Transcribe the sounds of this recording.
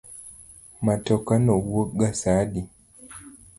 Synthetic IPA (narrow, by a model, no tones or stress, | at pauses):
matɔkanɔwwoɡasadi